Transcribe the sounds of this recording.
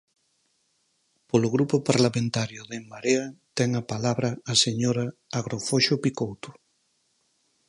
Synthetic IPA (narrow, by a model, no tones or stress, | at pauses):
polʊɣɾupʊpaɾlamẽnt̪aɾjʊðemmaɾeɐt̪ɛŋapalaβɾɐːseɲoɾaːɣɾofoʃopikowt̪ʊ̥